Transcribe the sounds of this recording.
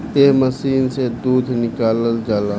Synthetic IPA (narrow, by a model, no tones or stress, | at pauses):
t̪eːɦməsiːnsed̪uːd̪ʱnɪkaːləld͡ʒaːlaː